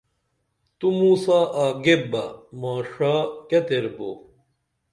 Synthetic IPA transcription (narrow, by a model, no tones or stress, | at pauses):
t̪umuːsaːʔaːɡebɐmaːʂaːkɐt̪eɾbo̰